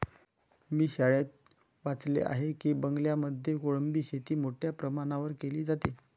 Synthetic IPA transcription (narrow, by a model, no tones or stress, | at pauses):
miːɕaɭet̪̚ | ʋat͡slḛʔa̰ɦekiːbəŋɡljaməd̪ʱjekoɭəmbiːɕet̪iːmoʈʰjapɾəmaɳ̃aʋəɾkeliːd͡zat̪e